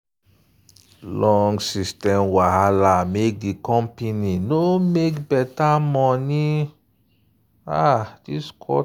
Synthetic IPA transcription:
lɔŋɡsistɛ̃mwaɦalamek̚dikɔ̃mpeninomekbɛtamɔni | adiskʰɔ̰

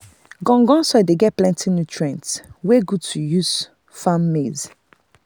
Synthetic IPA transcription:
ɡɔ̃ŋɡɔ̃nsɔdeɡɛt̚plɛ̃ntʰĩnutʰɹiɛ̃ntsweɡud̚tʰujuz̥ | fãmːez

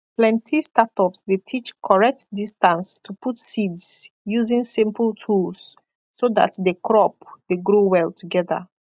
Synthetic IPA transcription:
plɛ̃ntʰistatɔpsdetʰit͡ʃkʰɔɹɛk̚tdistãnstʰuputsidz | juzĩnsĩmpəltʰulsː | oða̰tdəkʰɹɔp̚deɡɹowɛltʰuɡɛðə̰

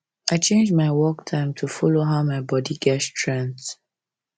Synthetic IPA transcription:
ʔaɪt͡ʃẽnd͡ʒmaɪwɔktʰãɪ̃mtʰufɔloɦaʊmaɪbɔdiɡɛtstʰɹɛ̃nt

